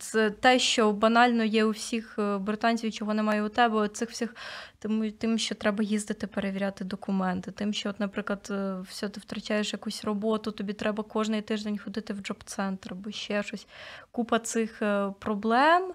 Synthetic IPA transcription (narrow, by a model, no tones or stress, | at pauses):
t̪sɛt̪ɛʃt͡ʃɔbɐnɑlʲnɔjɛʊwsʲixbɾɪt̪ɑnʲt͡sʲiwʲt͡ʃɔɦɔnɛmɑjɛʊt̪ɛbɛɔt̪sɪxwsʲɪxt̪ɪmt̪ɪmʃʲt͡ʃɔt̪ɾɛbɐjizd̪ɪt̪ɪpeɾeʋʲiɾʲɑt̪ɪd̪ɔkʊmɛnt̪ɪt̪ɪmʃʲt͡ʃɔɔt̪nɐpɾɪklˠɐd̪wsʲɔt̪ɪwt̪ɾɐt͡ʃɑjeʃjɐkusʲrɔbɔt̪ʊt̪ɔbʲit̪ɾʔɛbɐkɔʒnɪjt̪ɪʒd̪enʲxɔd̪ɪt̪ɪwd͡ʒɔpt̪sɛnt̪rbɔʃt͡ʃːɛʃɔsʲkupɐt̪sɪxpɾɔblˠɛm